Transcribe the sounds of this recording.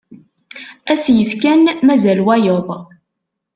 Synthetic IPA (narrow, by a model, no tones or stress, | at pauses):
æsjəfkænmæzælwæjoðˤ